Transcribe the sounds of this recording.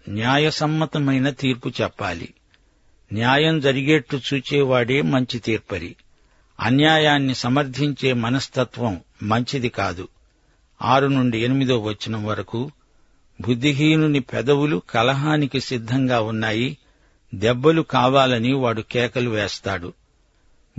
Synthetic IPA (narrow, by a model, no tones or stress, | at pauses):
njaːjɐsɐmːɐt̪ɐmɐjnɐt̪iːɾput͡ʃɛpːa̰ːlḭ | njaːjɐmd͡ʒɐɾiɡinɐʈːut͡ʃuːt͡ʃɛːʋaːɽe̞ːmɐɲt͡ʃit̪iːɾpɐɾḭ | ɐ̰njaːjaːnːisɐmɐɾt̪iɲt͡ʃe̞ːmɐnɐst̪ɐt̪ʋɐmː | ɐɲt͡ʃid̪ikaːd̪u | aːɾunuɳɖienimid̪loːʋɐt͡ʃːinɐmʋɐɾɐku | bʱud̪ʱːiɦiːnunipɛd̪ɐwulukɐlɐɦaːnikisid̪ʱːɐŋɡaːunːaːji | d̪ɛbːɐlukaːʋaːlɐniʋaːɽukɛːkɐluʋɛːst̪aːɽu